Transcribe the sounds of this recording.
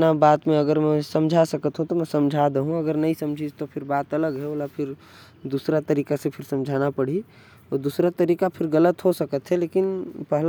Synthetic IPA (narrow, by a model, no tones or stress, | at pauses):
nabaːt̪mẽɐɡəɾmɛ̃sɐ̃md͡ʒʱasəkət̪ɦũt̪omɛ̃sɐ̃md͡ʒʱad̪əɦũɐɡəɾnɐɦĩsə̃md͡ʒʱid͡ʒt̪opʰɪɾbaːt̪ɐləɡɦɛoːlapʰɪɾ | d̪uːsɾat̪əɾiːkasepʰɪɾsɐ̃md͡ʒʱaːnapəɽ̤i | ɔːɾd̪uːsɾat̪əɾiːkapʰɪɾɣələt̪ɦosəkət̪ɦɛleːkɪnpɛɦl